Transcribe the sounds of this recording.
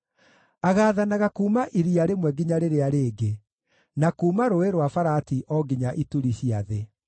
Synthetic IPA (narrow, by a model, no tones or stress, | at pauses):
aɣaːðanaɣakuːmaʔiɾiaɾemwɛɡiɲaɾeɾeaɾeːɡe | nakuːmaɾoeɾwafaɾatiʔɔɡiɲaʔituɾiɕiaðe